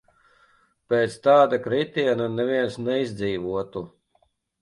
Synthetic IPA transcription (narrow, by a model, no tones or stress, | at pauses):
pɛːt̪st̪aːd̪akɾit̪iɛnanɛvʲiɛnsnɛizd̪ziːvuɔt̪u